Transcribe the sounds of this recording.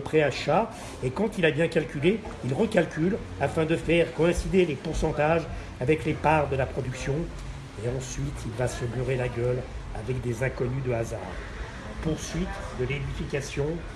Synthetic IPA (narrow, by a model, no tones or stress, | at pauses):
pχeaʃa | ekɑ̃t̪ilabjɛ̃kalkʲyle | ilʁəkʲalkʲyl | afɛ̃d̪əfɛʁkɔɛ̃sid̪elepuʁsɑ̃t̪aʒ | avɛklepaʁd̪əlapχɔd̪yksjɔ̃ | eɑ̃sɥit̪ʰilvasəbyʁelaɡʲœl | a̰vɛk̚d̪ezɛ̃kɔnyd̪əaza̰ʁ | puʁsɥit̪d̪əled̪ifikasjɔ̃